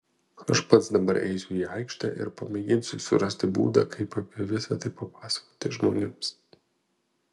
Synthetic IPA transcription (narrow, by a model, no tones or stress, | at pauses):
ɐʃpɐt̪sd̪ɐbɐɾʔɛ̰ɪsʲʊiːɐɪkʃʲt̪ʲɑ̰ːʔɪ̰ɾpɐmʲɛɡʲɪnʲsʲʊsʊɾɐsʲt̪ʲɪbṵːd̪ɐ̰ːkʰɐɪpɐpʲiɛʋʲɪsɐt̪ɐɪpɐpɑːsɐ̥koːt̪ʲɪʒmo̰ːnʲʊms